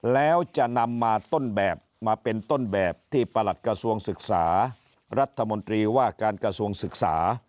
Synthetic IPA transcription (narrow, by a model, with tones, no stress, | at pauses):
lɛː˦˥wt͡ɕa˨˩ʔna˧mːaː˧t̪o˥˩nbɛː˨˩p̚maː˧pe˧nt̪o˥˩nbɛː˨˩p̚t̪ʰiː˥˩pa˧la˨˩t̪̚kɾa˧su˧əŋsɯ˨˩k̚saː˩˦ | ɾa˦˥t̪ʰːa˧mo˧nt̪ɾiː˧waː˥˩kaː˧nkɾa˧su˧əŋsɯ˨˩k̚sa̰ː˩˦